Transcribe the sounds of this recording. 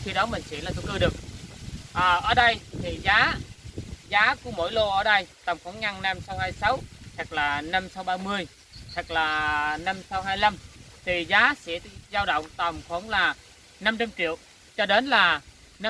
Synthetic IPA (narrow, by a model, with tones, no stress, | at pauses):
xi˧ɗɔ˨˦mï˨˩ŋ̟sḭ˧˥laː˨˩ṵ˧˦kɨ˧ɗɨ˨˩ək̚ʔəː˨˩ʔəː˧˩ɗə˧jt̪ʰi˨˩zaː˨˦ | zaː˨˦ku˧˩əmo̰˧˥˨jlo˧ʔəː˧˩ɗə˧jt̪ə˨˩ŋ͡mfɔ˨˦nŋa˧ŋna˧msa˨˦whaː˧jsa˨˦wt̪ʰa˨˩k̚laː˨˩na˧msa˨˦wɓaː˧mɨ˧əj | t̪ʰɨ˨˩k̚laː˨˩na˧msa˨˧˦wɦaː˧jla˧m | t̪ʰi˨˩zaː˨˦sɛ̰˧˥t̪zaː˧wɗə̰˧˨wŋ͡mt̪ə˨˩mxu˧˥ənlaː˨˩ | na˧mt͡ɕa˧mt͡ɕḭ˧˨əw | t͡ɕɔ˧ɗe˨˦nlaː˨˩ | na˧